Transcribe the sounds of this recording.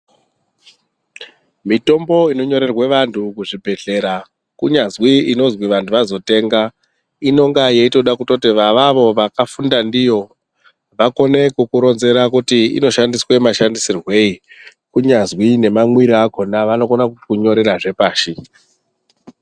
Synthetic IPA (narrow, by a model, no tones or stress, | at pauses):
mito̞mbo̞ino̞ɲo̞ɾe̞rweʋantʰukuʐibʱe̞ɮe̞ɾa | kuɲazwiino̞zwiʋantʰuʋazo̞te̞ːŋɡa | ino̞ŋɡajeito̞ɗakutotiʋaʋaʋo̞ʋakafundandijo̞ | ʋako̞ne̞kukuɾo̞nze̞ɾakutiḭno̞ʃandiswemaʃandisirwe̞i | kuɲazwine̞maŋwiɾiako̞naʋano̞konakukuɲo̞ɾe̞ɾaʐe̞paːʃi